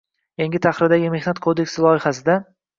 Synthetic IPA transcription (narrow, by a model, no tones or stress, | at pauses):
jaŋɡʲɪt̪ʰaχɾɪɾd̪aɡʲɪme̞hnat̪kʰod̪e̞kʲsɪlˠɒɪhasɪd̪a